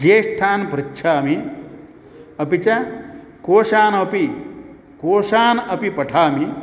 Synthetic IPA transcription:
d͡ʒeːsʈʰaːnpɾitːʃʰaːmi | ɐpit͡ʃɐ | koːʃaːnɐpi | koːʃaːnɐpipɐʈʰaːmi

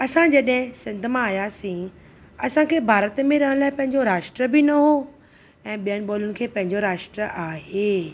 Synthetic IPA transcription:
ɐsãd͡ʑɐɗɦɪ̃sɪ̃nd̪ʱmãaːjaːsĩ | ɐsãkʰeːbʱaːɾət̪mẽɾɐɦə̃ɽ̃laːɪpɐ̃ɦɪ̃ɲd͡ʑoɾaːʃʈɾəbɪnɐɦo | ɛ̃ːɓijənɪ̆ɓoːlʊnɪ̆kʰeːpɐ̃ɦɪ̃ɲd͡ʑoɾaːʃʈɾəʔaːɦeː

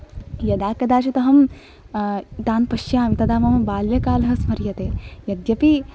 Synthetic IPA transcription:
jɐd̪aːkɐd̪aːt͡ʃɐt̪ɐɦɐm | t̪aːnpɐʃjaːʋit̪ɐd̪aːmɐmɐbaːljɐkaːlɐɦɐsmɐɾjɐt̪eːjɐd̪jɐpi

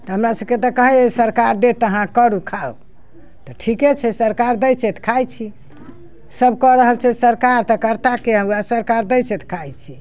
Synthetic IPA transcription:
t̪ɔɦəmɾasəbket̪ɔkəɦɛesəɾkaɾɖet̪əɦãkəɾukʰau | t̪ɔʈʰiket͡ʃʰɛsəɾkaɾd̪ɛjt͡ʃʰet̪ʰkʰajt͡ʃʰi | səbkəɾəɦəlt͡ʃʰɛsəɾkaɾt̪ɔkəɾt̪akeɦəuasəɾkaɾd̪ɛjt͡ʃet̪ʰkʰajt͡ʃʰi

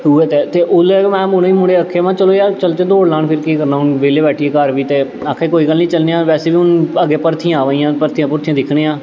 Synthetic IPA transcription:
ɦuːeːt̪eːt̪eːʔʊlɛːmɛ̃ːmʊɽeːiːmʊɽeːəkʰːeːʋãːt͡ʃəloːjaːt͡ʃəlt̪eːd̪oːɽlaːɳpʰɪɾkiːkəɾnaːɦʊnʋeːleːbɛːʈʰieːkəɾʋiːt̪eː | əkʰːeːkoːiːɡəlnĩːt͡ʃəlneːãːʋɛːseːbiːʊnəɡeːpəɾt̪ʰĩaːʋaːiːãːpəɾt̪ʰĩjãːpʊɾt̪ʰĩjãːd̪ɪkʰɽeːãː

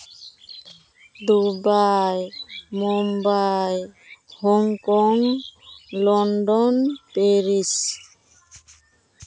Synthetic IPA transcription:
d̪ubajmumbaj | hɔŋkɔŋ | lɔnɖɔnpeɾis

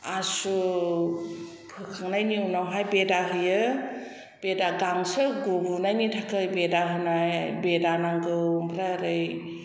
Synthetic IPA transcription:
asu | pʰɯkʰaŋnajniunawɦajbedaɦɯjɯ | b̥edaɡaŋsɯɡobunajnitʰakɯjbedaɦɯnajbedanaŋɡɯbʰɾaɾɯj

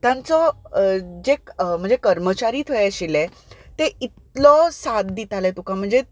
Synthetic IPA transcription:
t̪jãnt͡sɔ | d͡zem̤əɳd͡zekəɾmət͡ɕaɾiːt̪ʰəjeɕilẽ | t̪eit̪lɔsat̪d̪it̪alɛt̪ukãm̤əɳd͡ze

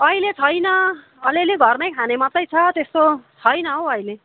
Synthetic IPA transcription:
ʌilet͡sʰʌjnʌ | ʌleleɡʱʌrnʌjkʰanemʌt̪ːʌjt͡sʰʌt̪est̪ot͡sʰʌjnʌɦowʌile

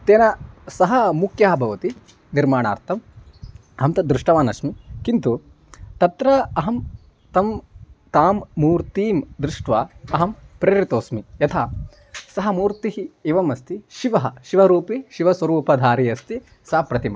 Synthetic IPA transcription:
t̪eːnɐsɐɦɐmukʰjaːbʱɐʋɐt̪i | niɾmaːɳa̰ːɾt̪ʰɐm | ɐɦɐmt̪ɐd̪ɾuʂʈɐʋaːnɐsʂmikint̪u | t̪ɐt̪ɾɐɐɦɐm | t̪ɐmt̪aːmːuːɾt̪iːmd̪ɾuʂʈʋaːɐɦɐmpɾeːɾit̪oːsmijɐt̪ʰaː | sɐɦɐmuːɾt̪iɦieʋɐmɐst̪iʃiʋɐɦɐʃiʋɐɾuːpiʃiʋɐsʋɐɾuːpɐd̪ʱaːɾijɐst̪i | sɐɦɐpɾɐt̪imɐ

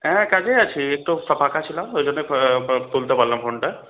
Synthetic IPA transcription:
ɛ̃kad͡ʒeat͡ɕʰiek̚ʈusɔpakat͡ʃʰilamed͡ʒonːet̪ult̪epaɾlampʰoɳʈa

